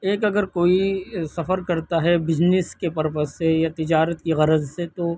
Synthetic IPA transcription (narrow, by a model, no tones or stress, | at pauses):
eːkɐɡəɾkoːisɐfəɾkɐɾt̪aɦɛbɪd͡ʒnɪskepɐɾpəsejat̪ɪd͡ʒaːɾət̪kiɣɐɾəzset̪o